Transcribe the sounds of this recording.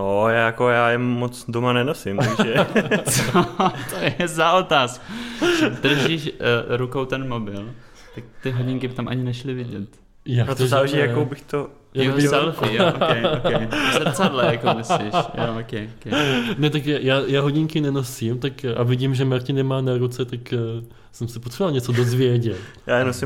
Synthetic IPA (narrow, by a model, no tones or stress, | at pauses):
nojaːjakojaːjɛmːot͡sdomanɛnosɪmt̪aɡʒɛt͡sot̪ʰojɛzaʔot̪aːskud̪r̩ʒiʃɾukowt̪ɛnmobɪl | t̪ak̚t̪ɪɦoɟɪŋkɪbɪt̪amʔaɲɪnɛʃlɪvɪɟɛt̪ | jaːotoɛzaaːlɛʒijakowbɪxt̪o | jaɛalfi | sɛt͡sadlɛjakomɪslḭʃj̰okɛokɛnɛt̪akjajaːjaːɦoɟɪŋkɪnɛnosimt̪akʔa̰vɪɟimʒɛmaɾcɪnɛmaːnaɾut͡sɛt̪ak | sɛmsɛpot̪sɛbvalɲɛt͡so̞do̞zvjɛɟɛt̪jaːɛnosɪ